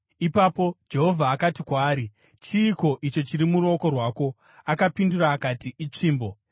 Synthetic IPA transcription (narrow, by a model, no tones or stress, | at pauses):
ipapo̞d͡ʒe̞ɦo̞vʱaːkatikwaːɾi | t͡ʃiːko̞ʔit͡ʃo̞t͡ʃiɾimuɾo̞ko̞rwaːko̞ | akapinduraːkatiit͡ʂiːmbo̞